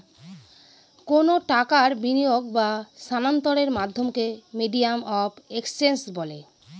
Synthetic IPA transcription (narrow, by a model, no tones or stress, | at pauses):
konoʈakaɾbinijoɡbasanant̪oɾeɾmad̪ʱːomkemiɖijamɔbekspensbɔle